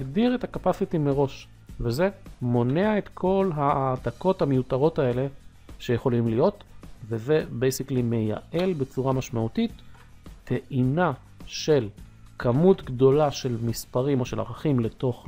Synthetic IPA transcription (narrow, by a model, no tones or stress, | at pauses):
ɡdiʁe̞takapasitimeʁo̞ʃ | veze̞mo̞neaet̪kʰo̞lɦaːtako̞thamejutaʁo̞tae̞le̞ | ʃe̞jeχo̞limlijo̞tveze̞bejsiklime̞ja̰ʔe̞lbe̞t͡suʁamaʃmautitːʰ | eʔina | ʃe̞lkʰamutɡdo̞laʃe̞lmispaʁimo̞ʃe̞la̰ʁaχimle̞to̞χ